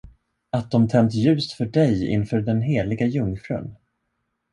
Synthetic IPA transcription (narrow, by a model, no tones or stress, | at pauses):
at̪̚d̪ɔmt̪ʰɛnt̪jʉ̟ːst̪fœɖɛjɪ̰nfœːɖɛnɦeːlɪɡajɵŋfɾɵ̰n